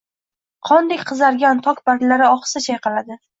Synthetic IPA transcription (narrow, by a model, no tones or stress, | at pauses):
qʰɒnd̪ekʲqʰɨzaɾɡʲant̪ʰɒkʲbad̪laɾɪɒχsat͡ʃʰajqʰɑlad̪ɪ